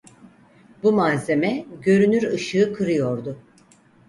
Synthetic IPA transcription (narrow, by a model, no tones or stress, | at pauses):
bumaze̞mɛɟø̞ɾynyɾɯʃɯːkʰɯɾɯjo̞ɾd̪ʊ